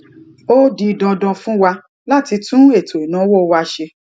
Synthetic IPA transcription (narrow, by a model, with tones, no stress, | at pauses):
o˦di˧dɔ˧dɔ˧fũ˦wa˧ | la˦ti˧tũ˦e˦˨tʰo˨i˨nã˨˦wo˦˨˧wa˧ʃe˧